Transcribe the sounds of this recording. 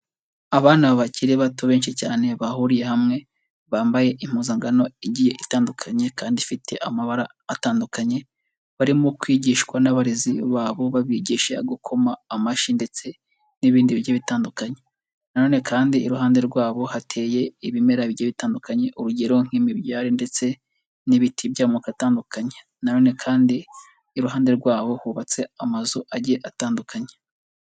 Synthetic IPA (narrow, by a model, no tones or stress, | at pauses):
aβaːnaβaciɾiβatuβe̞ːnʃicaːne̞βahuɾije̞hamŋe̞ | βaːmbaje̞ʔim̥huːzaŋɡano̞iɟije̞ʔitaːndukʰaɲe̞kaːndifitʰe̞̰ʔamaβaɾaːtaːndukʰaɲe̞ | βaɾimukwiːɟiːʃkwanaβaɾiziβaːβo̞βaβiɟiːʃaɡukʰo̞maːmaʃinde̞t͡se̞ | niβiːndiβiɾjaβitaːndukaɲe | nano̞ːne̞kʰaːndiːɾuɦaːnde̞ɾɡwaːβo̞hatʰe̞ːje̞iβime̞ɾaβiaβitaːndukʰaɲe̞ʔuɾuɟe̞ɾo̞ŋ̥imiβjaːɾinde̞t͡se̞ | niβitʰibjaːmukataːndukʰaɲe | nano̞ːne̞kʰaːndiː | ɾuɦaːndeɾɡwaːβo̞huːβat͡se̞amazuʔaɟeʔataːndukʰaɲe